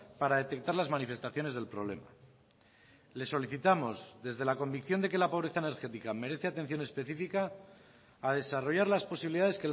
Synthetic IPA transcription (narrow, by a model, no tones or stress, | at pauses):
paɾaðe̞t̪e̞k̚t̪aɾlazmanife̞st̪aθjo̞ne̞zðe̞lpɾo̞β̞le̞̰ma̰ | le̞sːo̞liθit̪amo̞zðe̞zðe̞lako̞mbikθjond̪e̞ke̞lapo̞β̞ɾe̞θaene̞ɾxe̞t̪ikame̞ɾeθe̞at̪e̞n̟θjo̞ne̞spe̞θifikaː | ð̞e̞saro̞ʝaɾlaspo̞siβiliðaðe̞ske